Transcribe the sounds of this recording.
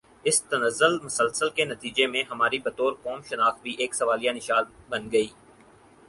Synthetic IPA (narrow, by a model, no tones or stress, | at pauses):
ɪst̪ɐnəzːəlmʊsəlsəlkenɐt̪iːd͡ʒemẽɦɐmaːɾibɐt̪oːɾkɔːmʃɐnaːx̚bʱiʔeːksɐʋaːlijanɪʃaːdbɐnɡɐiː